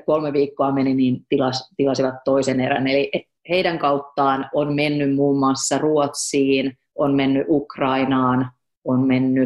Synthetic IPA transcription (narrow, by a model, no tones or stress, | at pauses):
kolmeʋiːkːoɑmeniniːnt̪ilɑst̪ilɑsiʋɑt̪toiseneɾæ̰neli | heidæŋkɑut̪ːɑːnonmenːymmuːmːɑsːɑruot̪siːn | onmenːyʔukrɑinɑːn | onmenːy